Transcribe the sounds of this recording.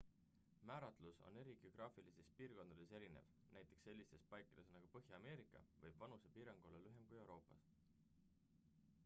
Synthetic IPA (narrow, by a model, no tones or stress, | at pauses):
mæːɾɑt̪luso̰ne̞ɾiɡ̥eo̞ɡ̥rʔɑːfilisespiːrko̞nd̪ɑd̪̥e̞seɾine̞̰vnæjt̪ːˑe̞ksːe̞lʲːist̪e̞spɑjkːˑɑd̪̥e̞snɑɡ̥upɤɦjɑːme̞ːɾikːˑɑ̰vɤjb̥vɑnuse̞piːɾɑŋɡ̥uolelyɦe̞mkuje̞wɾo̞ːpːˑɑs